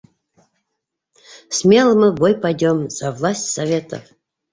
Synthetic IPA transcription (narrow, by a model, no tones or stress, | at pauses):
smʲe̞lˠəmɨbojpajdʲomz̥avlˠasʲtʲsɐvʲet̪ə̰f